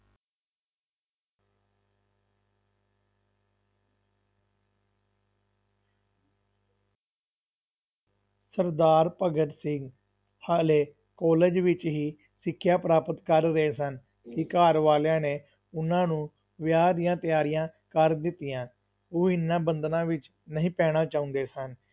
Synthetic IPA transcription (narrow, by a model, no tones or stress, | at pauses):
səɾd̪aːɾpəɡəʈsɪŋɡ | haleː | kɔːleːd͡ʒʋɪt͡ʃɦiː | sɪkʰːjaːpɾaːpət̪kəɾːəeːsən | kɪkaːɾʋaːljãːneː | ʊnãːnũː | ʋjaːɾɪjãːt̪ɪjaːɾɪjãːkəɾd̪ɪt̪ːɪjãː | oːɪnːãːbənd̪nãːʋɪt͡ʃ | nəɦĩːpɛːɽ̃ãːt͡ʃaːʊ̃nd̪eːsən